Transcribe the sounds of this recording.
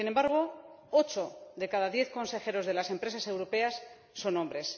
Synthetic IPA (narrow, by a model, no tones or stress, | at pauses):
ine̞mbaɾɣ̞o̞ | ot͡ʃo̞ðe̞kaðaðje̞θko̞nse̞xe̞ɾo̞zðe̞lase̞mpɾe̞sase̞wɾo̞pe̞asː | o̞no̞mbɾe̞s